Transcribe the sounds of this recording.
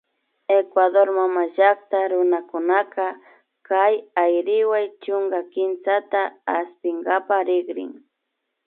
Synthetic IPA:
ekwaðoɾmamaʒak̚t̪aɾʊnakʊnaka | kajajɾɪwajt͡ʃʊŋɡakɪnt͡sat̪aːst̪ɪŋɡapaɾɪɡɾɪ̰ŋ

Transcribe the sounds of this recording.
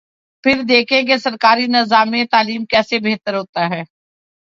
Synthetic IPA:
pʰɪɾd̪eːkʰẽɡesɐɾkaːɾinɪzaːmːẽt̪aːliːmkɛːsebeɦt̪əɾɦoːt̪aɦɛː

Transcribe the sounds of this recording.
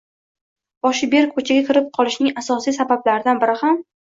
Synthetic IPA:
b̥ɒʃɪbe̞ɾkʰot͡ʃʰaɡʲakʲɪɾɪp̚qʰɒlˠɪʃnɪŋasɒsijsabablaɾɪd̪anbɪɾɪham

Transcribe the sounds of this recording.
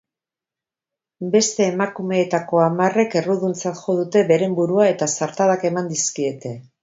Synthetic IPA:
be̞st̪e̞ːmakume̞ːt̪ako̞amare̞ke̞ruðunt͡sat̪ʝo̞ðut̪e̞βe̞ɾe̞mbuɾuae̞t̪asaɾt̪aðake̞mand̪iskie̞t̪e̞

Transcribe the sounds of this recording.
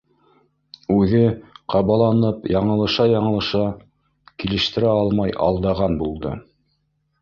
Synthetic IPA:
ʉðɘqʰɑβɑlˠɑnɤpjɑɴɤ̆lˠɤ̆ʃɑjɑɴɤ̆lˠɤ̆ʃɑ | kilɘ̆ʃt̪ɘ̆ɾæɑlˠmɑjʔɑ̰lˠd̪ɑʁɑnbulˠd̪ɤ̰

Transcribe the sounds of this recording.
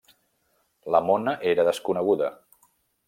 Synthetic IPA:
ləmonəʔeɾəðəskunəɣ̞uðə

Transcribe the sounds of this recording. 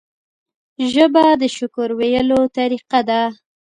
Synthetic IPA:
ʒəbad̪əʃʊkʊɾwejəlot̪aɾiqad̪a

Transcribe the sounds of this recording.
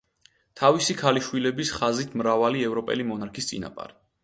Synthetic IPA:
t̪ʰavisikʰaliʃwilɛbisχazit̪ʰmɾavaliɛvɾɔpʼɛ̰limɔnaɾkʰist̪sʼḭna̰pʼa̰ɾi

